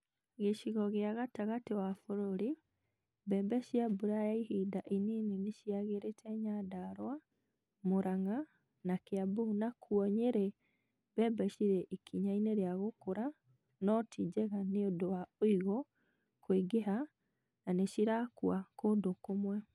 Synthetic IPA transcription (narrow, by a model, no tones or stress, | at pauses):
ɣeʃiɣɔɣeaɣataɣatewafoɾoɾi | bɛbɛʃjabuɾajaihidaʔininineʃiaɣeɾetʰɛɲadaɾwa | moɾʔaŋa | nakeabuunakʰuɔɲeɾɛ | βɛbɛʃiɾeʔikʰiɲaineɾeaɣokoɾa | nɔtʰid͡ʒɛɣaneodowaoiɣɔ | kweɡeɦa | naneʃiɾakuakodokomwɛ